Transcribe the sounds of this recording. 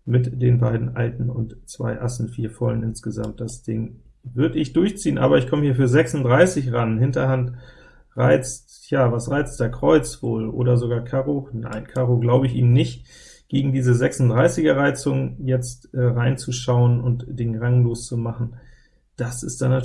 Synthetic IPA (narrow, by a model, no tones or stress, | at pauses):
mɪtd̥eːnbaɪdn̩ʔa̰ltn̩ʊ̰ntt͡sv̥a̰ɪʔa̰sn̩fiːɐfɔ̰lənʔɪnsɡ̥əza̰mt̚d̥asd̥ɪŋ | vʏɐdəɪçd̥ʊɐçt͡siːənʔa̰ːbɐɪçkʰɔməhiːɐfyːɐzɛksʊntd̥ʁaɪsɪçʁanhɪntɐhant | ʁaɪt͡st | jaːvasʁaɪt͡std̥eːɐkʁ̥ɔʏt͡sv̥o̰ːlʔo̰ːdɐzoɡaːɐkʰaːʁona̰ɪnkʰaːʁoɡlaʊbəɪçʔḭːmnɪçt | ɡ̥eːɡŋ̩diːzəzɛksʊn̩tdʁaɪsɪɡɐʁaɪt͡sʊŋjɛt͡stʔɛːʁaɪnt͡suʃaʊənʊntd̥eːnʁaŋloːst͡sumaχn̩ | d̥asɪstd̥ana